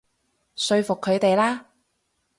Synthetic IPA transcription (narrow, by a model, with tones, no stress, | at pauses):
sɵ˧ɥfʊ˨kʰːɵ˨˧ɥt̪e˨jlaː˥